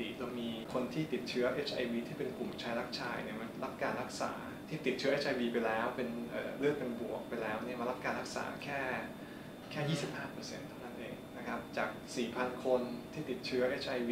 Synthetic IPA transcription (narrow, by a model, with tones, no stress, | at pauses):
i˨˩lo˧ŋmiː˧kʰo˧nt̪ʰiː˥˩t̪i˨˩t̪̚t͡ɕʰɯ˦˥ɐʔe˦˥t͡ɕʰʔa̰˧jwiː˧t̪ʰiː˥˩pe˧nklu˨˩mt͡ɕʰa˦˥jɾa˦˥k̚t͡ɕʰa̰ː˧jni˥˩ɐma˧nɾa˦˥p̚kaː˧nɾa˦˥k̚sa̰ː˩˦ | t̪ʰiː˥˩t̪i˨˩t̪̚t͡ɕɯ˦˥ɐʔe˦˥t͡ɕʔa˧jwiː˧pa˧jlɛː˦˥wpe˧nʔɤː˨˩ɾɯ˥˩ək̚pe˧nbu˨˩ək̚pa˧jlɛː˦˥wni˥˩ma˧nɾa˦˥p̚kaː˧nɾa˦˥k̚sa̰ː˩˦kʰɛː˥˩ | kʰɛː˥˩jiː˥˩si˨˩p̚haː˥˩pɤ˧sḛ˧nt̪ʰa˥˩wna˦˥nʔeː˧ŋna˦˥kʰa˦˥p̚t͡ɕaː˨˩k̚siː˨˩pʰa˧nkʰo˧nt̪ʰiː˥˩t̪i˨˩t̪̚t͡ɕʰɯ˦˥ɐʔe˦˥t͡ɕʰʔa˧jwiː˧